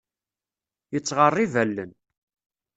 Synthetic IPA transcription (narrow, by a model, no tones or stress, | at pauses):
jət͡sːʁərˤːivælːən